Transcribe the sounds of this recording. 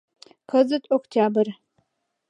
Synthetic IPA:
kʰɐzɨtʰʼoktʰaːbɨr

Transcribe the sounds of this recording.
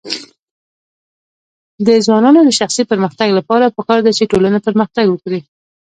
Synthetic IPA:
d̪əzwɑnɑnod̪əʃaxsipəɾməxt̪aɡlapɑɾapəkɑɾd̪at͡ʃeʈolanapəɾməxt̪aɡwəkɽi

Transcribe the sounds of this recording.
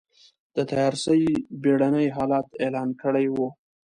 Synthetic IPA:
d̪̥ət̪ajɑɾsəjbeɽanəjɦɑlɑt̪elɑnkəɽajwu

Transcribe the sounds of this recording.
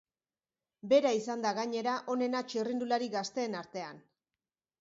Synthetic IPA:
be̞ɾaisand̪aɣaɲe̞ɾaʔo̞ne̞nat͡ʃirind̪ulaɾiɣast̪e̞ːnaɾt̪e̞an

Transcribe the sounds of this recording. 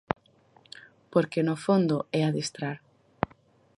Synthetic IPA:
poɾkenofond̪ʊɛaðist̪ɾaɾ

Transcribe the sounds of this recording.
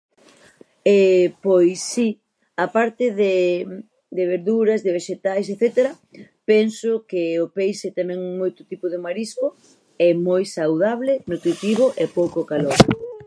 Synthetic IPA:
ɛpojsːi | apaɾt̪ɪðe | d̪eβ̞eɾðuɾɐzðeβeʃet̪ajseθɛt̪eɾɐ | pɛnsʊkɪopejʃet̪amɛŋmojt̪ʊ̥t̪ipʊðemaɾiskʊ | ɛmojsawðaβlɪnut̪ɾit̪iβ̞ʊʔɛpowkokaloɾ

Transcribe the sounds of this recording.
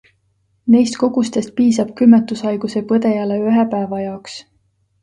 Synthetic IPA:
nejst̪̚ko̞ɡ̥ust̪e̞st̪̚piːsɑb̥̚kymːet̪ːˑusɑjɡ̥use̞pɤd̪̥e̞jɑleyɦepæevɑjɑoks

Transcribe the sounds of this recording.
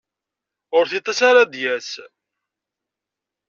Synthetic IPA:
ʊɾθit̪ˤːɑsaɾad̪jæs

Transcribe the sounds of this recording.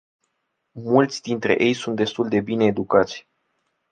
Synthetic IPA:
mult̪sʲd̪int̪ɾe̞̰ʔe̞jsunt̪̚d̪est̪uld̪e̞bine̞ːd̪ukat̪sʲ

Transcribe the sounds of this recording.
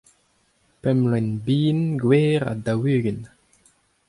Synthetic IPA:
pɛmlɛnbiːnɡweːʁa̰dawyːɡən

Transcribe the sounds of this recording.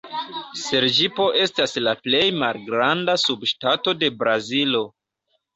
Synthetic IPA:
se̞ɾd͡ʒipo̞ʔe̞staslaple̞jmalɡɾandasubʃtato̞de̞bɾazilo̞

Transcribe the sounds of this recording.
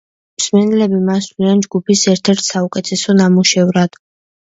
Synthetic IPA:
msmɛnɛlɛbimasliand͡ʒɡupʰisɛɾt̪ʰɛɾt̪ʰsaukʼɛt̪ʰɛsɔnamuʃɛvɾad̪̥

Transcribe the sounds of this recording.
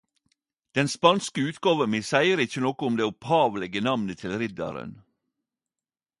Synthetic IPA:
d̪̥ɛnspɑnskəʉːt̪ɡɑːʋəmisæɪəɾɪçənɔkʊʊmd̪eːʊphɑːʋlɛɡənɑʋnət̪ʰɪlɾɪd̪ɑ̰ɾə̰n

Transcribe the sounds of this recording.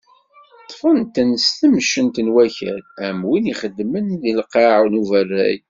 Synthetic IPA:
t̪ˤːfənt̪ənst̪əmʃənt̪ənwæçæ̰læmwiniχəd̪ːmənðilqɑʕnuvərːæ̰j

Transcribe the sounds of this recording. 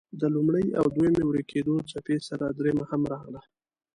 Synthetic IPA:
d̪əlumɽəja̰wd̪wumewɽekʰed̪ot͡sapesaɾad̪ɾemahamɾɑɣla

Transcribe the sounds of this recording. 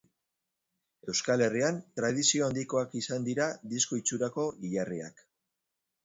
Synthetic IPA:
e̞wskale̞riant̪ɾað̞isio̞and̪iko̞akisand̪iɾad̪isko̞it͡suɾako̞iʎaria̰k

